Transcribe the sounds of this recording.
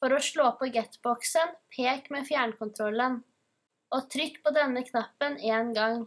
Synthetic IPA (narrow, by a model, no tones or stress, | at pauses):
fɔɾɔʂɭoːpʰɔɡɛt̪bɔksənpʰeːkmeːfjæːɳkʊnt̪ʰɾɔlːən | ɔt̪ʰɾʏkːpɔd̪ɛnːəkʰnɑpːəneːnɡɑŋ